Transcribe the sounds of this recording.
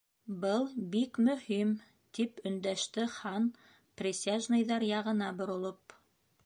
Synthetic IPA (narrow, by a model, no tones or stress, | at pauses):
bɤlˠbikmɵ̆him | t̪ipɵ̆nd̪æʃt̪ɘχɑn | prʲɪsʲaʒnɤ̆jðɑɾjɑʁɤ̆nɑbŏɾŏlˠop